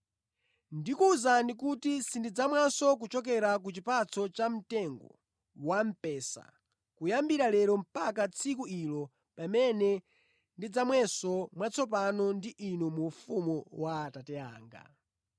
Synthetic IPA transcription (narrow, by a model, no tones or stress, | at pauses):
ndikuzandikutisindid͡zamwasɔk̬ut͡ʃɔk̬ɛɾak̬ut͡ʃipat͡sʰɔt͡ʃam̩tɛŋɡɔ̰ | wam̩pɛːsa̰ | kujambiɾalɛɾɔm̩pakat͡sʰikuilɔ | pamɛnɛ | ndid͡zamwɛsɔmwat͡sʰɔp̬anɔndiʔinumufumuwaːtatɛa̰ːŋɡa̰